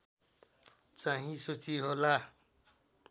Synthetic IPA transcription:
t͡saɦĩsot͡siɦola

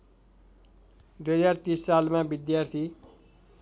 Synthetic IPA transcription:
d̪ujʌd͡zart̪isːalmabid̪jart̪ʰi

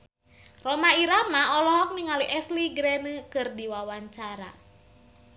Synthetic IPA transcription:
rɔmaiɾamaɔlɔɦɔk̚niŋaliʔɛsliɡɾɛnəkɨrdiwawaɲt͡ʃaɾa̰

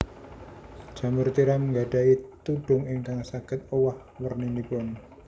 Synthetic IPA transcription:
d̥ʒ̥ä̤mʊrt̪iɾaməŋɡaɖ̥a̤it̪uɖ̥ʊ̤ŋɪŋk̪aŋsaɡ̥ɪ̤t̪̚owah | wərninipʊn

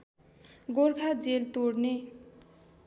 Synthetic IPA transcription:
ɡorkʰad͡zelt̪oɽne

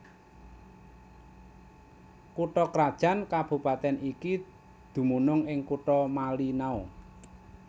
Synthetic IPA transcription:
kuʈɔkɾad̥ʒ̥a̤nkab̥ṳpat̪ɛnʔiki | d̪̥ṳmunʊŋɪŋkuʈɔmalinau

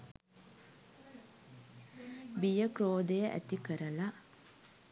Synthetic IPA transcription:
bijəkɾoːd̪ejəʔæ̰t̪ikəɾəla

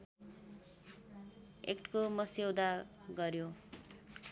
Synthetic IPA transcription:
ekʈʰkomʌsewd̪aɡʌɾjo

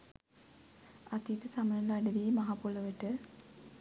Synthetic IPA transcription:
at̪it̪əsamənəlaɖəʋiːmaɦapoləʋəʈə

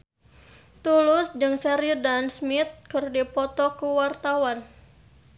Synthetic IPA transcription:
t̪ulʊsd͡ʒɨŋsɛɾidansmɪt̪̚kɨrdipɔt̪ɔkuwart̪awan

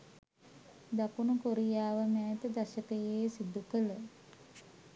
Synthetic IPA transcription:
d̪akunukoɾijaːʋəmæːt̪əd̪aʃəkəjeːsid̪ukələ

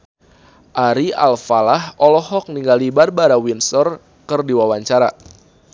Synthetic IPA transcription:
ʔaɾia̰lfalahɔlɔhɔk̚niŋɡalibarbaɾawinsɔr | kərdiwawaɲt͡ʃaɾa

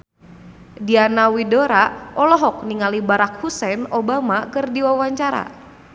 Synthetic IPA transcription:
dianawidoɾaʔɔlɔɦɔk̚niŋalibaɾak̚husɛnɔbamakɨrdiwawaɲt͡ʃaɾa̰

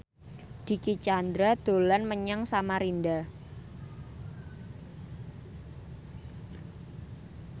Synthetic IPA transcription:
d̪̥i̤kit͡ʃand̪ɾad̪̥o̤lanməɲaŋsamaɾinda

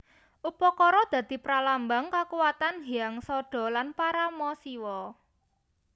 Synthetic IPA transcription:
ʔupɔkɔɾɔd̪̥a̤d̪̥i̤pɾalambaŋkakuwat̪anɦiaŋsɔɖ̥ɔ̤lanpaɾamɔsiwɔ

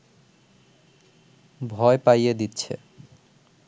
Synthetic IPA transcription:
bʱɔepajed̪itːɕʰḛ

